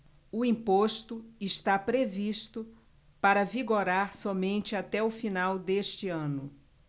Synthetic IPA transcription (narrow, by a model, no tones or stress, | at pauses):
ʊĩpoʃt̪ʊɪʃt̪apɾeviʃt̪ʊ | paɾɐviɡoɾaɾsɔmẽnt͡ʃɪat̪ɛʊfinawd̪eʃt͡ʃɪɐ̃nʊ